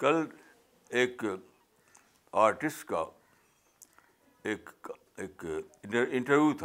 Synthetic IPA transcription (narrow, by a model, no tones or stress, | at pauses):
kɐl | eːk | aːɾʈɪsʈka̰ | eːk | eːk | ɪ̃ɳʈəɾʋjuːt̪ʰ